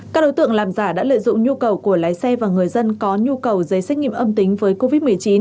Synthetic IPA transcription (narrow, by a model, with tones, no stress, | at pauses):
kaː˦˥ɗo˨˦jt̪ɨ̰˧˨əŋlaː˨˩mzaː˧˩ɗa̰ː˧˥lə̰ː˧˨jzʊ̰˧˨ŋ͡mɲu˧kə˨˩wku˧˩əlaː˨˦jsɛ˧vaː˨˩ŋɨ˨˩əjzə˧nkɔ˨˦ɲu˧kə˨˩wzə˨˦jsɛ˦˥k̚ŋḭ˧˨ə˨ʔə˧mt̪ï˨˦ŋ̟vəː˨˦jko˧vi˦˥t̚mɨ˨˩əjt͡ɕi˨˦n